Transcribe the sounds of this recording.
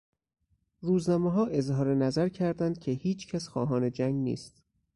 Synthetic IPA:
ɾuːznɒːmeɦɒːʔe̞zhɒːɾenæzæɾcʰæɾd̪ænd̪̥̚cʲʰehiːt͡ʃʰcʰæsxɒ̰ːɦɒːne̞d͡ʒæŋɡnḭːst̪̚

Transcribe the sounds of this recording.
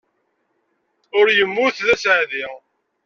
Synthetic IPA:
ʊɾjəmːʊθðæsʕði

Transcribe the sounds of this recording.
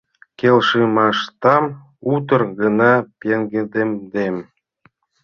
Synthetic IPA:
kʲelʲʃɨmɑʃt̪ɑm | ut̪ɤ̆rɣɤ̆nɑpʲeŋɡed̪emd̪em

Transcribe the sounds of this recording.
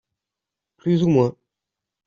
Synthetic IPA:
plyzumwɛ̃

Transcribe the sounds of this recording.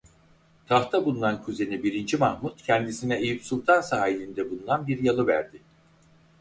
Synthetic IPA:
t̪ʰaht̪ʰabulˠunankʰuze̞nibiɾind͡ʒimahmut̪cʰɛnd̪isinɛejipsulˠt̪ʰansaːilʲind̪ɛbulˠunanbiɾjalˠɯvæ̰ɾd̪ɪ

